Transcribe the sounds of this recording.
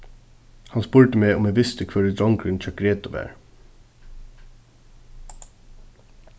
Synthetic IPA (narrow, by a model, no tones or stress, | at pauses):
hɑnspuːɹʈəmeːɔmeːʋɪst̪əkʰʋøːɾəd̪ɔŋkɾɪnc͡çʰœkɾeːt̪ʊʋæ̰ːɹ